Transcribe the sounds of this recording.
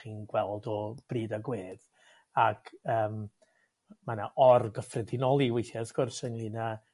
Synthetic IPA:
χiːnɡwɛlˠdɔb̥riːdaɡweːð̥ | akʰəːm | manaʔɔrɡəfrɛdɪnɔlˠiwejθjasɡʊrsənlina

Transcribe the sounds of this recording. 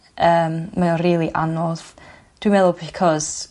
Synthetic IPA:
əːmːaɔriːlˠiʔa̰nɔð | d̥wimɛðʊlˠbɪkʰɔz̥

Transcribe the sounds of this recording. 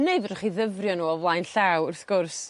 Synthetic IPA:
neɨvrχiðəvrjɔnuːɔvlˠajnɬawʊrθɡ̥ʊrs

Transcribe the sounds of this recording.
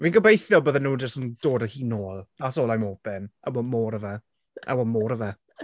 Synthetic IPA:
viːnɡəbejθjɔbəðənuːd͡ʒəsənd̥oːdəhiːnoːlˠasoːlˠajmɔb̥ɛnawɔmoːɾəvɛ | ʔa̰wɔmoːɾəvɛ

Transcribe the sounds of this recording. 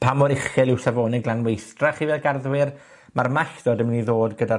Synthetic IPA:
pʰamɔɾɪχɨlɪwsavoːnɪɡlˠanwejθtraχivɛːlˠɡarðwɪr | marmaɬd̥ɔːdəmniðoːdɡəda

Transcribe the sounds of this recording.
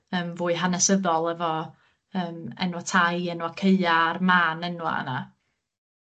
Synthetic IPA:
əːmvuːɨɦanɛsəðɔlˠɛvɔ | əːmɛ̰nwatʰajɛnwakʰeɨarmaːnɛnwa̰ə̰na

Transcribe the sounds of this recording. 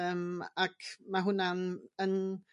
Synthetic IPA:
əmakmaɦʊnanən

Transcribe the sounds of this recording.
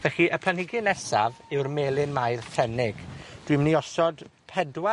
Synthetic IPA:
vɛχiʔəpʰlˠanhɪɡɨnɛsavɪwrmeːlˠɪnmajrθɛnɪɡ̥d̥wimniɔsɔdpʰɛdwa

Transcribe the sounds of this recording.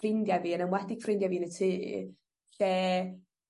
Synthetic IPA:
ɪndjaviːənəmwadɪɡ̥frɪndjaviːnətʰiː | ɬɛː

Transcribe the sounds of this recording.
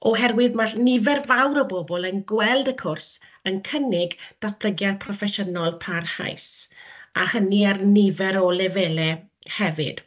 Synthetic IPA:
ɔɦɛrwɪðmaɬnɪvɛrvawɾəbɔbɔlˠənɡwɛlˠdəkʰʊrs | ənkʰənɪɡd̥aθpʰləɡjad̚pʰrɔfɛʃənɔlˠpʰarha̰jsahəniarnɪvɛɾɔlɛvɛlɛ | hɛvɪ̰d̥

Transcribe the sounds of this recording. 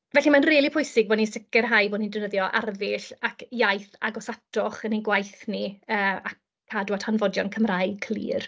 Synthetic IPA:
vɛɬimanriːlˠipʰʊjsɪɡ̚boːdnisɪkɛrɦajboːdnindəvnəðjɔʔa̰rðɪɬakjajθa̰ɡɔsatʰɔχəniɡwajθniəːa | kʰːadwatʰanvɔdjɔnkʰəmrajkʰlḭːr

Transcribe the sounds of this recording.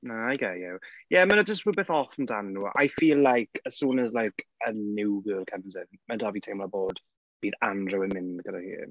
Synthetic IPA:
aajɡɛjɛwjɛmənəd͡ʒəstwəbeθɔθəm̩danːuːʔa̰jfiːlːajkʰəsuːnəzlajkʰənɪwɡəːlˠkʰəmzɪnmədavitʰejmlaboːd̥ | b̥iːðandrəwɪmɪnɡəda̰hḭ

